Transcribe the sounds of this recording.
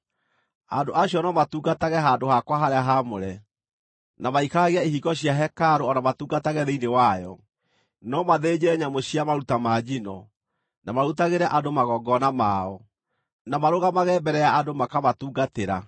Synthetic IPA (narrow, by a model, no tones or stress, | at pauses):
a̰ndoʔaɕjɔnɔmatuːɡataɣɛɦandohakwaɦaɾeaɦamoɾɛ | namaikaɣeaehiɡɔɕiaɦɛkaɾoɔnamatuːɡataɣɛðeinewajɔ̰ | nɔmaðed͡ʑɛɲamoɕiamaɾutamad͡ʑinɔ | namaɾutaɣeɾɛʔandomaɣɔɡɔnamaɔ | namaɾoɣamaɣɛːbɛɾɛjaadomakamatuːɡateɾa